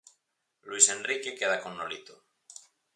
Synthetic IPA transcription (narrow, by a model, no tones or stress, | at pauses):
luisenrrikekeð̞akonːolit̪o